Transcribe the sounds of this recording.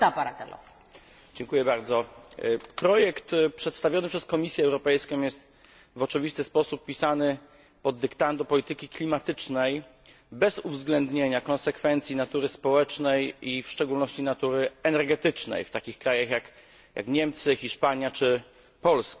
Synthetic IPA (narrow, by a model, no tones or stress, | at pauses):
t̪apaɾat̪ɛ̰lɔ̰ | d͡ʑɛŋkujɛbaɾd̪zɔ | pɾɔjɛkt̪pʂɛt̪st̪avʲjɔnɘpʂɛskɔmʲisʲjɛɛwɾɔpɛjskɔ̃w̃jɛst̪ | vɔt͡ʂɨvʲist̪ɘspɔsupːʲisanɘ | pɔd̪ːɘkt̪and̪ɔpɔlʲit̪ɘkʲiklʲimat̪ɘt͡ʂnɛj | bɛzuvzɡlɛnd̪ɲeɲakɔ̃nsɛkfɛnt̪sʲjinat̪uɾɘspɔwɛt͡ʂnɛjifʂt͡ʂɛɡulnɔɕt͡ɕinat̪uɾɘɛnɛɾɡɛt̪ɘt͡ʂnɛ̰jft̪akʲixkɾajaxjak | jʔa̰kɲɛmt̪sɘxʲiʂpaɲjat͡ʂɘ | pɔlska